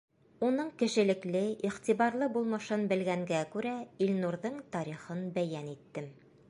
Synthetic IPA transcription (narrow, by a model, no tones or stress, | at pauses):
unɤɴkɘ̆ʃɘ̆lɘ̆klɘʔiχt̪iβɑɾlˠɤbulˠmɤʃɤnbɘ̆lɡæŋɡækʉɾæilnuɾðɤɴt̪ɑɾiχɤnbæjænit̪ːɘm